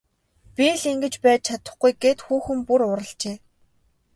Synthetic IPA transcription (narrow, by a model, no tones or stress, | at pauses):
pʲiɮiŋɡɘ̆t͡ɕpæːt̪̚t͡ɕʰat̪ə̆χɡujɡeːt̪xuːxɘ̆mpuɾʊɾə̆ɬt͡ɕeː